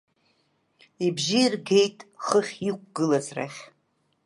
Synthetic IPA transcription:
ibʒirɡe̞jtʼχəχʲik̚ʷʰʼɡɨlazra̰χʲ

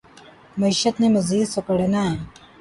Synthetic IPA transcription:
mɐiɕət̪neməziːd̪səkəɽna

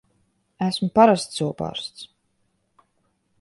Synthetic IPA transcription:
æsmpaɾast̪suwpɑ̰ːɾst̪s

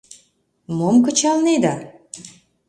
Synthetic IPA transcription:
momkə̆t͡ɕɑlned̪ɑ

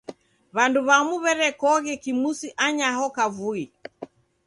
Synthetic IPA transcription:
βanduβamuβɛɾɛkɔɣɛkimusiʔaɲahɔkavui

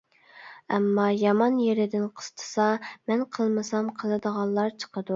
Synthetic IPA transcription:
ɛmːɑjɑmɑnjeɾɪd̪ɪnqʰə̥st̪ʰə̥sɑmɛnqʰəlˠmɨsɑmqʰəlˠɨd̪əʁɑlˠːɑɾt͡ʃʰə̥qəd̪u

